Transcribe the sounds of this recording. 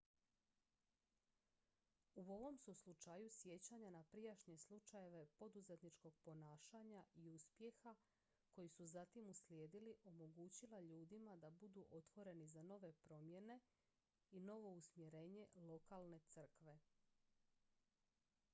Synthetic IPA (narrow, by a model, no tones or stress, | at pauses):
uo̞ʋo̞msuslut͡ʃajusje̞t͡ɕaɲanapɾijaʃɲe̞slˠut͡ʃaje̞ʋe̞po̞d̪uze̞t̪nit͡ʃko̞ɡ̥̚po̞naːʃaɲaʔiuspje̞xa | ko̞jisuzat̪imusljeːd̪iliʔo̞mo̞ɡuːt͡ɕilaʎuːd̪imad̪abud̪uʔo̞t̪ʋo̞ɾe̞nizano̞ʋe̞pɾo̞mje̞ne̞ | ino̞ʋo̞usmje̞ɾe̞ːɲe̞lˠo̞kalˠne̞t̪sr̩kʋe̞